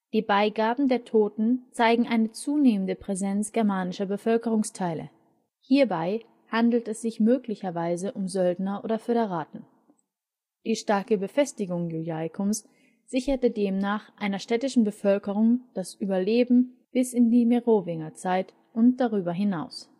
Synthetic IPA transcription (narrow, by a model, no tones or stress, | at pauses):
d̥iːbaɪɡaːbm̩deːɐtʰoːtn̩t͡saɪɡŋ̩ʔaɪnət͡suːneːməndəpʁ̥ɛzɛnt͡sɡ̥ɛɐmaːnɪʃɐbəfœlkəʁ̞ʊŋstʰaɪlə̰ | hiːɐbaɪ | handl̩tɛsz̥ɪçmøːklɪçɐvaɪzəʔʊmzœldnɐʔo̰ːdɐføɾeʁaːtn̩ | d̥iːʃtaɐkəbəfɛstɪɡʊŋjujaɪkʰʊms | z̥ɪçɐtədeːmnaːχʔaɪnɐʃtɛːtɪʃn̩bəfœlkəʁ̞ʊŋd̥asʔyːbɐleːbm̩ | b̥ɪsɪndiːmeʁoːvɪŋɐt͡saɪt | ʔʊnt̚d̥aʁyːbɐɦɪnaʊs